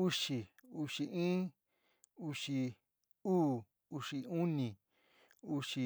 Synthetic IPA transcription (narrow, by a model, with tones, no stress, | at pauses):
u˧ʂi˨u˧ʂi˧ʔĩː˦ | u˧ʂi˧ | uː˦˨ | u˧ʂi˧u˦nĩ˨ | u˧ʂi˧